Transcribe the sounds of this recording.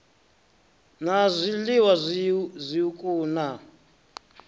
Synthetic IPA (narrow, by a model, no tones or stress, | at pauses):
nazʷiliwazʷzʷiukʼuːna